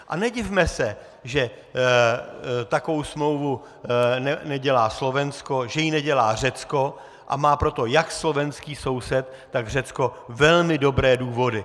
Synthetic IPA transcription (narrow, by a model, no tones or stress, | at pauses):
ʔa̰nɛɟɪvmɛsɛ | ʒɛ | t̪akovowsmlo̞wvu | nɛnɛɟɛlaːslo̞vɛnsko̞ʒɛjinɛɟɛlaːr̝ɛt͡sko̞ | ʔa̰maːpɾo̞t̪o̞jakslo̞vɛnskiːso̞wsɛt̪ːaɡr̝ɛt͡sko̞vɛlmɪdo̞bɾɛːduːvo̞dɪ